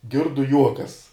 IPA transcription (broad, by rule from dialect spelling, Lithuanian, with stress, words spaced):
ˈɡʲɪrdʊ ˈjuɔkɐs